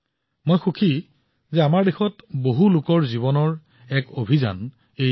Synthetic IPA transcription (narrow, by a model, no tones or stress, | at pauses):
mojxukʰi | zɛamaɹdexɔtboɦulʊkɔɹziβɔnɔɹ | ɛkobʱiza̰n | e